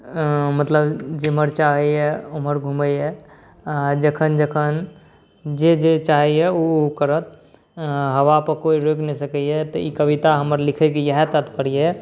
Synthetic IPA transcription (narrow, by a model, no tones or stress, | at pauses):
mət̪ləbd͡ʒeɦməɾt͡ʃaɦɛɛoməɾɡʱuməjɛ | ad͡ʒəkʰənd͡ʒəkʰən | d͡ʒed͡ʒet͡ʃaɦɛɛukəɾət̪ | ɦəʋapəkoiɾoknɛsəkɛɛt̪ɔikəbit̪aɦəməɾlikʰɛkijəɦɛt̪ət̪pəɽijɛ